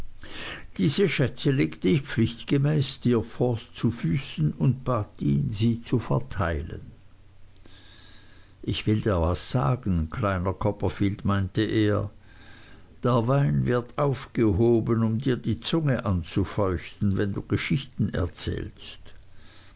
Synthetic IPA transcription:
d̥iːzəʃɛt͡səleːktəɪçpp͡flɪçtɡ̥əmɛːsd̥iːɐfɔɐst͡sufyːsn̩ʊnt̚b̥aːtḭːnziːt͡sufɛɐtʰaɪlə̰n | ʔɪçv̥ɪldiːɐvasz̥a̰ːɡn̩kʰlaɪnɐkʰɔpɐfiːltmaɪntəʔeːɐ | d̥eːɐvaɪnvɪɐtʰʔaʊfɡ̥əɦoːbənʊmdiːɐdiːt͡sʊŋəʔant͡sufɔʏçtn̩vɛndṵːɡ̥əʃɪçtn̩ɛ̰ɐt͡sɛ̰ːlst

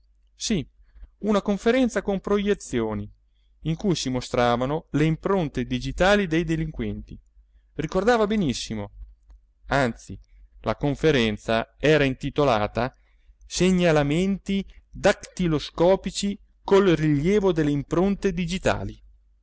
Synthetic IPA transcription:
si | unakoɱfeɾɛnt̪sakompɾojet̪sːjoːniː | ŋkujsimost̪ɾaːvanoleimpɾont̪ed̪id͡ʒit̪aːlid̪ejd̪eliŋkwɛnt̪i | rikord̪aːvabenisːimo | ant̪si | la̰koɱfeɾɛnt̪saɛːɾaint̪it̪olaːt̪a | seɲːalament̪id̪akt̪iloskɔːpit͡ʃi | kolriʎːjɛːvod̪elːeimpɾont̪ed̪id͡ʒit̪a̰ːli

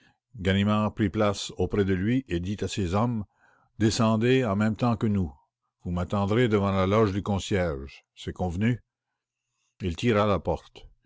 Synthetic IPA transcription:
ɡanimaʁpʁiplasopʁɛd̪əlɥiʔed̪it̪asezɔm | d̪esɑ̃d̪eɑ̃mɛ̃mt̪ɑ̃kənu | vumat̪ɑ̃d̪ʁed̪əvɑ̃lalɔʒd̪ykɔ̃sjɛʁʒ | sɛkɔ̃vny | ilt̪iʁalapɔʁt̪

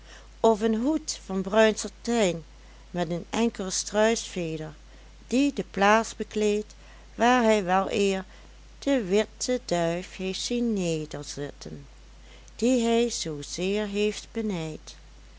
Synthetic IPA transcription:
ɔfənɦutfɑnbrœɥnsətɛjn | mɛtənɛŋkəlˠəstrœɥsfeːdəɹ | d̥idəplaːzbəkleːjt | ʋaːɹɦɛjʋɛlˠʔɪːɹ | d̥əʋɪtədœɥfheːftsinːeːdəɹzɪtən | d̥iɦɛjz̥oːz̥ɪːɹɦejftb̥ənɛjt

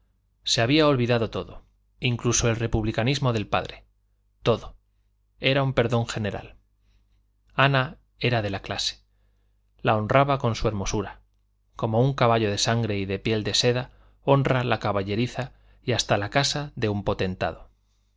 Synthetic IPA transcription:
se̞aβ̞iao̞lβiðaðo̞t̪o̞ðo | iŋkluso̞e̞lre̞puβlikanizmo̞ðe̞lpa̰ðɾe̞ | t̪o̞ðo̞ | e̞ɾaumpe̞ɾðo̞ŋxe̞ne̞ɾa̰l | ana | e̞ɾaðe̞laklase̥ | lao̞nraβako̞nsue̞ɾmo̞suɾa | ko̞mo̞uŋkaβaʎo̞ð̞e̞saŋɡɾe̞iðe̞pje̞ld̪e̞se̞ða | o̞nralakaβaʎe̞ɾiθa | jast̪alakasaðe̞umpo̞t̪e̞nt̪a̰ð̞o̞

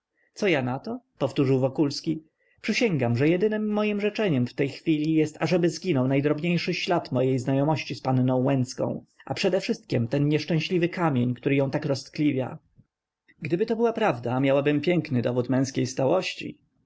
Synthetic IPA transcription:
t̪sɔjanat̪ɔpɔft̪uʐɘwvɔkulskʲi | pʂɘɕɛŋɡamʐɛjɛd̪ɘnɘmːɔjimʐɛt͡ʂɛɲɛmft̪ɛjxfʲilʲijɛst̪aʐɛbɘzɡʲinɔwnajd̪ɾɔbɲejʂɘɕlat̪mɔjejznajɔmɔɕt͡ɕispannɔ̃w̃wɛnt̪skɔ̰̃w̃ʔa̰pʂɛd̪ɛfʂɘst̪̚kʲɛmt̪ɛnɲɛʂt͡ʂɛ̃w̃ɕlʲivɘkamʲjeɲkt̪uɾɘjɔ̃w̃t̪akɾɔst̪klʲivʲja̰ | ɡd̪ɘbɘt̪ɔbɘwapɾavd̪amʲjawabɘmpʲjɛŋknɘd̪ɔvut̪mɛ̃w̃skʲejst̪awɔɕt͡ɕḭ

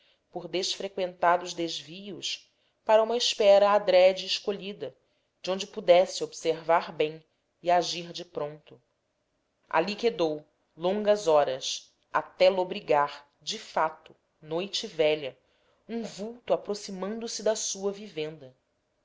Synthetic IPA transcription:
poɾd̪eʃfɾekwẽnt̪ad̪ʊzd̪ezvijʊʃ | paɾɐũmɐiʃpɛɾɐːd̪ɾɛd͡ʒɪːʃkoʎid̪ɐ | d͡ʒɪõnd͡ʒɪpud̪ɛsɪobseɾvaɾbẽj̃ | iaʒiɾd͡ʒɪpɾõnt̪ʊ | a̰liked̪ow | lõŋɡɐzɔɾɐs | a̰t̪ɛlobɾiɡaɾ | d͡ʒɪfat̪ʊ̥ | nojt͡ʃɪvɛʎɐ | ũvuwt̪uapɾosimɐ̃nd̪ʊsɪd̪ɐsuɐvivẽnd̪ɐ

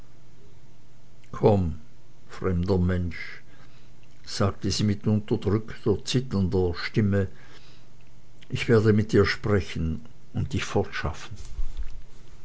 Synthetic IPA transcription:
kʰɔm | fʁ̥ɛmdɐmɛnʃ | z̥aːk̚təziːmɪtʊntɐdʁʏktʰɐt͡sɪtɐndɐʃtɪmə | ʔɪçv̥eːɐdəmɪt̚diːɐʃpʁ̥ɛçn̩ | ʊnt̚d̥ɪçfɔɐtʃa̰fn̩

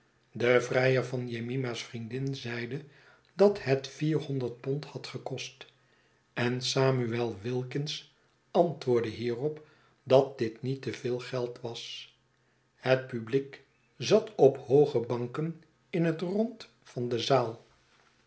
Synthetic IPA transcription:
dəvrɛjəɹvɑnjemimasfrindɪnzɛjdə | dɑtɦɛtfiːɹɦɔndəɹt̚pɔnthɑtχəkɔst | ɛnsaːmyɛlˠʋɪlˠkɪns | ɑntʋʊːɹdəɦiːrɔp | dɑt̚dɪtnitəvɪːlˠχɛlˠtʋɑs | hət̚pyblik | zɑtʰɔphowχəbɑŋkən | ɪnɦətrɔnt | fɑndəzaːlˠ

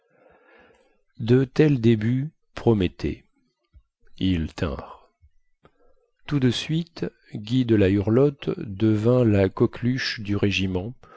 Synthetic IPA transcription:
d̪ət̪ɛld̪eby | pχɔmɛt̪ʰḛ | ilt̪ɛ̰̃ʁ | t̪ud̪əsɥit̪ | ɡʲid̪əlayʁlɔt̪d̪əvɛ̃lakɔklyʃd̪yʁeʒimɑ̃

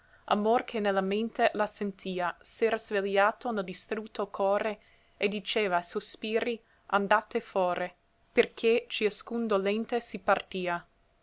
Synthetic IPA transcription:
a̰morkʰenelːament̪elasent̪ʰiːasɛɾazveljaːt̪oneld̪ist̪ɾut̪ʰːokʰɔːɾe | ed̪it͡ʃeːvasospiːɾi | and̪at̪ːefɔːɾe | perkʰet͡ʃiaskund̪olent̪esipart̪iːa

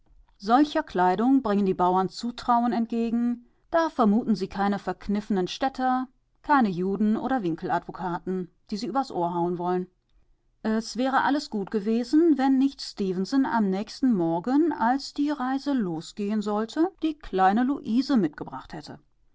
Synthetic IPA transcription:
zɔlçɐkl̥aɪdʊŋbʁɪŋəndiːbaʊɐnt͡suːtʁ̥aʊənɛntɡ̥eːɡŋ̩ | d̥aːfɛɐmuːtn̩ziːkʰaɪnəfɛɐknɪfən̩ənʃtɛtʰɐ | kʰaɪnəjuːdn̩ʔo̰ːɾɐvɪŋkl̩adv̥okʰaːtn̩ | d̥iːziːʔyːbɐdsʔoːɐɦaʊənvɔlən | ʔɛsv̥ɛːʁ̞əʔaləsɡ̥uːtɡ̥əveːzn̩vɛnːɪçtstiːvnsəna̰mnɛːçstn̩mɔɐɡənalsd̥iːʁaɪzəloːsɡ̥eːənzɔltʰəd̥iːkʰl̥aɪnəluʔiːzəmɪt̚ɡ̥əbʁaχthɛtʰə̰

